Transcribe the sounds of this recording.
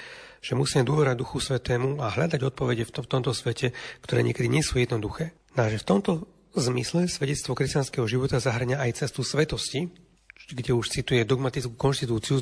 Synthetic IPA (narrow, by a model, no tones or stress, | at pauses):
ʒ̥ɛmusiːmɛd̪ʊɔʋɛɾad̪uxusʋɛt̪ɛːmuaɦʎad̪aɟɔt̪̚pɔʋɛɟɛfft̪ɔmt̪ɔsʋɛcɛkt̪ɔɾɛ̰ːɲɪɛkɛd̪iɲɪɛsujɛd̪nɔd̪uxɛː | naʒɛft̪ɔmt̪ɔ | zmislɛsʋɛɟɛt͡st̪ʋɔkɾɛscanskɛːɦɔʒiʋɔt̪azaɦr̩ɲaːjt͡sɛst̪usʋɛt̪ɔsci | ɡɟɛuʃt͡sit̪ujɛd̪ɔɡmat̪it͡sku̥kɔnʃt̪it̪uːt͡siu